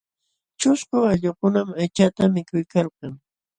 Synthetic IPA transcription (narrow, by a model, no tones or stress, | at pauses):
t͡ʃʊskʊaʎokʊnamajt͡ʃat̪amɪkʊjkɑlqɑŋ